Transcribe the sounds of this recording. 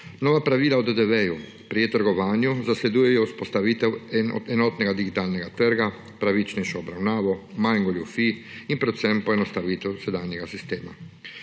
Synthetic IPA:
nɔːʋapɾaʋiːlaɔd̪ɛd̪ɛʋɛju | pɾijet̪əɾɡɔʋaːnjuzaslɛd̪ujɛjɔuspɔst̪aʋiːt̪ɛwɛnɔ̰d̪ɛnɔt̪nɛɡad̪iɡit̪aːlnɛɡat̪əɾɡa | pɾaʋit͡ʃnɛʃɔːbɾawnaːʋɔmajŋɡɔljufi | inpɾɛt̪sɛmpɔɛnɔst̪aʋiːt̪ɛwsɛd̪aːnjɛɡasist̪eːma̰

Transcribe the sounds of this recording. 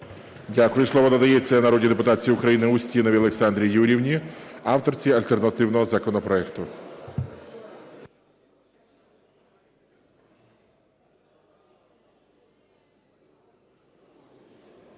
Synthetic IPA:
dʲakʊjʊslˠɔʋɔd̪ɐd̪ɐjet͡sʲːɐnɐɾɔdʲid̪e̞pʊt̪ɑt͡sʲijiʊkɾɐjinɪʊsʲtʲinɔʋʲiɐlˠeksɑnd̪ɾʲijuɾʲiwnʲiɑwt̪ɔrt͡sʲiɐlʲt̪ernɐt̪ɪwnɔɦɔzɐkɔnɔpɾɔɛkt̪ʊ

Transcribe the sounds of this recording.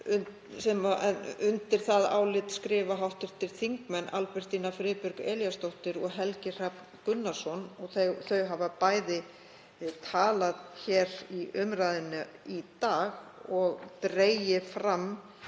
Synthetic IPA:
ʏn | sɛmaʔɛnʏnt̪ɪɾ̥θaða̰ːwlɪt̪skɾɪːvaɦawht̪ɪɾ̥t̪ʰɪlθiŋkmɛnːʔalpɛr̥t̪inafɾɪːpʏɾkɛljast̪owht̪ɪɾɔɣɦɛlcɪr̥ap | kʏnːasɔnɔɣθeθœɥɦavapaːjðɪ | t̪ʰaːlaðçɛːɾiʔʏmɾajðɪnːʏit̪aːɣɔɣt̪ɾeːjɪfɾam

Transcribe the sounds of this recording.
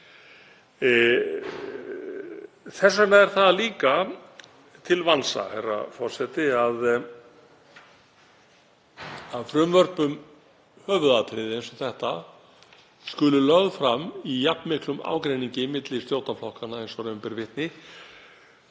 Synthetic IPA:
θɛsːanaɛɾ̥θaðliːka | t̪ʰɪlvansa̰herːa̰fɔr̥sɛt̪ɪað | aðfɾʏmvœr̥pʏm | hœːvʏðat̪ʰɾɪːðɪejnsɔθɛht̪a | skʏlʏlœɣðfɾamːijapnmɪhklʏma̰ːwkɾejniɲcɪmɪt̪lɪst̪joːwt̪amflɔhkanaejnsɔɾɛːmpɛɾvɪht̪nɪ

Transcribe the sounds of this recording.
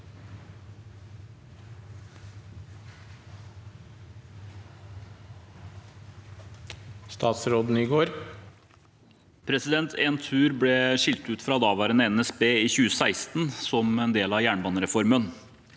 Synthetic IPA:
st̪ɑːt̪sɾoːd̪n̩iːɡoːɾ | pʰɾɛsɪd̪ɛnt̪ʰeːnt̪ʰʉːɾblɛʂɪlt̪ʉːt̪fɾɑd̪ɑːʋæːɾənəɛnɛsbeːiːçʉːəsæɪst̪nsɔmɛnd̪eːlɑjæːɳbɑːnɾɛfɔɾmən

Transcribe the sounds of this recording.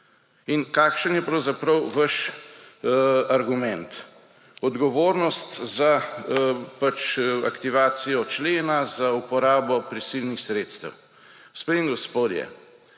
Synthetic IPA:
inkaːkʃənjɛpɾɐwzapɾəwʋəʃ | aɾɡumɛ̃nt̪ | ɔd̪ɡɔʋoːɾnɔst̪za | pat͡ʃa̰kt̪iʋaːt̪sijɔt͡ʃleːnazaupɔɾaːbɔpɾisilnixsɾeːt̪st̪ə̰w | speŋɡɔspoːd̪jɛ̰

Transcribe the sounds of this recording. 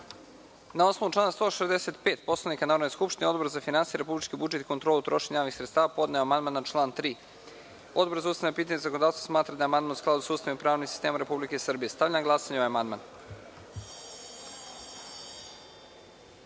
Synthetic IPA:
nao̞sno̞vuʈ͡ʂlˠaːnast̪o̞ʃezd̪eset̪peːt̪po̞slˠanikanaːɾod̪neskupʃt̪ineod̪boɾzafinansijeɾe̞publit͡ʃkibud͡ʒet̪i̥kont̪ɾolˠut̪ɾo̞ʃeɲajoʋixsɾet̪st̪aːʋapo̞d̪neoamand̪manat͡ʃlˠaːnt̪ɾiː | o̞d̪boɾzaust̪anepiːt̪aɲezakond̪ast̪vasmaːt̪ɾad̪ajeamand̪mansklˠad̪usauːst̪amimpɾaːʋnisi̥st̪eːmaɾe̞publikeisr̩bijest̪aʋʎanaɡlˠasaɲeoaamand̪ma̰n

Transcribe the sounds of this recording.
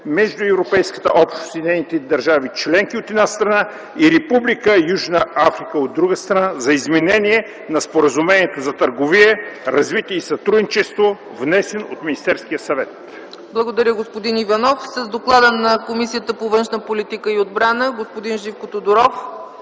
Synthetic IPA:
mɛʒd̪ʊɛvɾopɛjskə̥t̪ə̰ʔɔpʃt̪o̥sid̪nɛnit̪ɛd̪ɐɾʒavit͡ʃlɛŋk̟iot̪ɛd̪nast̪ɾɐna | iɾɛpublikəjuʒnəafɾikəod̪ːɾuɡəst̪ɾɐnazɐizmɛnɛniɛ | nɐspoɾəzumɛniɛt̪ozɐt̪əɾɡoviɛɾɐzvit̪ʲiisɐt̪ɾud̪nit͡ʃɛst̪vo | vnɛsɛno̰t̪minʲist̪ɛɾskijəsɐvɛt̪ | blˠɐɡod̪ɐɾjəɡospod̪inivɐnɔfsəzd̪oklˠad̪ənɐkomisijət̪əpovənʃnəpolit̪ikəiod̪bɾanəɡospod̪inʒifkot̪od̪ʊɾɔf

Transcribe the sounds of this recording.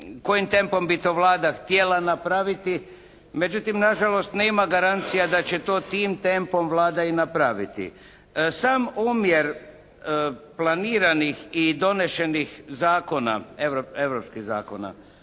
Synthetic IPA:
ko̞jimt̪e̞mpo̞mbit̪oːʋlaːd̪axt̪jelanapɾaʋit̪i | me̞d͡ʒut̪imnaʒalo̞st̪neːmaɡaɾant̪sijad̪at͡ɕet̪oːt̪iːmt̪e̞mpo̞mʋlaːd̪ainapɾaʋit̪ḭ | saːmumjeɾ | plˠaniːɾanixid̪o̞ne̞ʃe̞nixzaːko̞na̰eʋɾoeʋɾopskiza̰ːko̞̰na̰

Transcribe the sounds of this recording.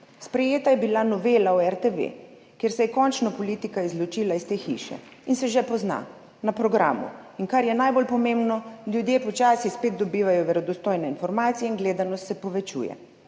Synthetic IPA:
spɾɛjeːt̪ajɛbilanɔʋeːlauɛɾt̪eʋḛ | kjeːɾsɛjɛkɔnt͡ʃnɔpɔliːt̪ikaizlɔt͡ʃiːlaist̪eːxḭʃɛ̰ | insɛʒɛpɔzna̰ | napɾɔɡɾa̰ːmṵiŋkaɾjɛnajbolpɔmembnɔljud̪jeːpɔt͡ʃaːsixspeːd̪̚d̪ɔbiːʋajɔʋɛɾɔd̪ɔst̪oːjnɛinfɔɾmaːt̪sijɛinɡleːd̪anɔst̪sɛpɔʋɛt͡ʃṵjɛ̰

